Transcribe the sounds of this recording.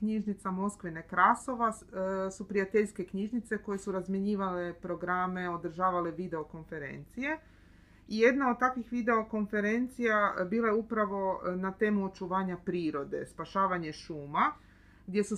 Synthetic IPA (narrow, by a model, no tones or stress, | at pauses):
kɲiʒnit̪samo̞skʋinekɾaso̞ʋasupɾijat̪eʎske̞kɲiʒnit̪se̞ko̞je̞suɾazmjeɲiːʋale̞pɾo̞ɡɾame̞o̞d̪r̩ʒaːʋale̞ʋid̪e̞o̞ko̞nfe̞ɾe̞̰nt̪sije̞ | ije̞d̪naod̪̚t̪akʋixʋid̪e̞o̞ko̞nfe̞ɾe̞nt̪sijabiːlajeupɾaʋo̞nat̪e̞ːmuot͡ʃuʋaːɲapɾiːɾo̞d̪e̞̰spaʃaːʋaɲe̞ʃuːma | ɡd̪ʲje̞su